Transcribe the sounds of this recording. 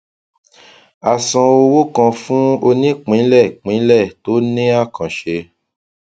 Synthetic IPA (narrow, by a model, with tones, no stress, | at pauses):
a˨sã˧o˧wo˦kã˧fũ˦o˧nĩ˦k͡pĩ˨˦lɛ˦˨k͡pĩ˨˦lɛ˦˨to˨˦nĩ˦a˦˨kã˨ʃe˧